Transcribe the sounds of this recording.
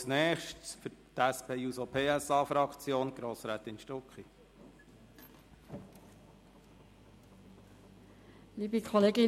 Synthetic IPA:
snɛːχʃtsfʏtæspeːusopʰeːæsɑːfɾɑkt͡sjoːnɡ̥ɾoːsɾæːt̪ɪnʃtɔkχi | liːbəkʰɔleːɡɪ

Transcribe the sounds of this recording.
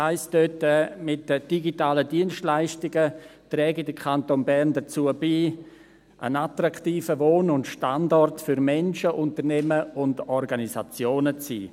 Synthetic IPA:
aɪstdøtəmɪtːəd̥iɡitaːlədiənstlaɪʃtɪɡətɾɛːɡidəkʰantonbɛɾndət͡suːəbiː | ʔə̰natraktiːfəvoːnʊntʃtandɔrtfʏɾmɛnʃəʔʊntəɾnɛməʊndɔrɡaniza̰t͡sjoːnət͡sḭː

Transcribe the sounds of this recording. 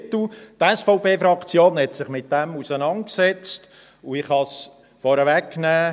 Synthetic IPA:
tut̪ɛsfɔʊpeːfɾɑkt͡sjoːnhɛt̪sɪχmɪt̚d̥ɛmusənɑnt̚ksɛt͡st | uɪχhɑs | fɔɾəvɛkːnɛː

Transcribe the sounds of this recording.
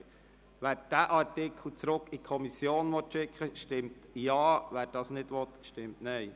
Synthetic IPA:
ʋæːɾd̥æʔɑɾtɪkʰl̩t͡sɾʊkikʰɔmisjoːnʋɔt̪ʃɪkχəʃtɪmtjɑːʋæːɾd̥ɑsnɪdʋɔt̪ʃtɪmtnɛɪ

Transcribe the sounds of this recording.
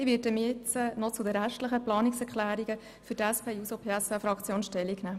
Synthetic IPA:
ɪʋɪːtəmɪt͡sənɔt͡sʊdəɾæʃtləχəplɑːniksɛɾkʰlæːɾiɡə | fʏtæspʰeːusopʰeːɛsfɛfɾɑkt͡sjoːnʃtɛlːiknæː

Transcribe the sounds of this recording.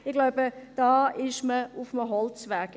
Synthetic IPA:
ɪɡ̥laʊbəd̥ɑːɪʃməʊfməɦɔlt͡svɛɐk

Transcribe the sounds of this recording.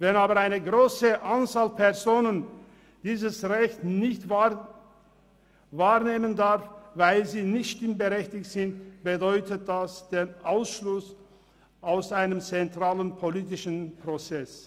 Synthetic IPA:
vɛnaːbɐaɪnəɡʁoːsəʔant͡saːlpʰɛɐzoːnən | d̥iːzəsʁɛçtnɪçtva | vaːʁneːməndaʁfvaɪlziːnɪçtʃtɪmbəʁɛçtɪçtz̥ɪntb̥ədɔʏtət̚d̥asd̥eːnʔaʊsʃlʊs | ʔaʊsaɪnəmt͡sɛntʁ̥aːlənpʰoliːtɪʃn̩pʁ̥ot͡sɛs

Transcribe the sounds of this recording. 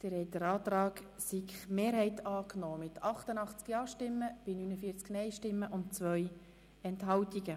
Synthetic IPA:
d̥əɾhɛjtəɾɑːt̪ɾɑːk | sikmeːɾɦɛɪtʰɑːknoːmɪtʰɑχtənɑχt͡skjɑːʃtɪmːəb̥ɪnynəfiːɾt͡sknɛjʃtɪmːəʔʊntt͡sʋœj | ɛntɦɑwtiɡə

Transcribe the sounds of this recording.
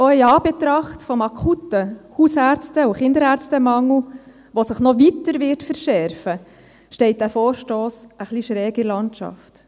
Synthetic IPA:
oiɑːb̥et̪ɾɑχtfɔmɑkʰutːəhusæɾt͡stəuχɪndəɾæːɾt͡stəmɑŋl̩ | ʋosɪχnɔʋitəɾʋɪtfəɾʃɛɾfə | ʃtɛɪt̚d̥æːfoːɾʃtoːsəχliʃɾɛːɡɪlɑnt͡ʃɑ̰ft

